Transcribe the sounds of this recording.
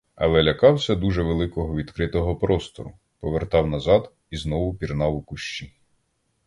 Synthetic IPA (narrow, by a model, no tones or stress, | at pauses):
ɐ̰lˠɛlʲɐkɑwsʲɐd̪uʒɛʋelˠɪkɔɦɔʋʲid̪kɾɪt̪ɔɦɔpɾɔst̪ɔ̰ɾʊ̰ | pɔʋert̪ɑwnɐzɑd̪ | iznɔʋʊpʲirnɑwʊkʊʃt͡ʃi